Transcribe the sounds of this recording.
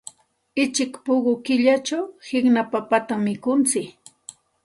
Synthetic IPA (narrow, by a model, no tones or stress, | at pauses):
ɪt͡ʃɪkpʊɢʊkɪʎat͡ʃawhɪknapapat̪amːɪkʊnt͡sɪk